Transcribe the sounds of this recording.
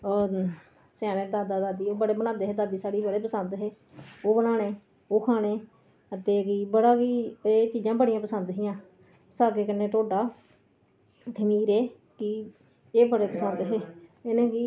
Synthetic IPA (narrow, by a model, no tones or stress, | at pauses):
oː | sjaːneːd̪aːd̪aːd̪aːd̪iːoːbəɽeːbənaːd̪eːɦeːd̪aːd̪iːsaːɽiːbəɽeːpəsənd̪ɦeː | oːbənaːɽ̃eː | oːkʰaːɽ̃eː | ət̪eːkiːbəɽaːkiːeːt͡ʃiːd͡ʒãːbəɽijãːpəsənd̪ɦɪjãː | saːkeːkənːeːʈoːɖaː | t̪ʰəmiːɾeː | kɪ | eːbəɽeːpəsənd̪ɦeːɪnẽːkiː